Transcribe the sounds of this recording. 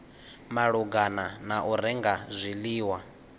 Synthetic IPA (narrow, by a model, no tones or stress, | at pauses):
maɺuɡananaʔuɾɛŋɡazʷiliːwa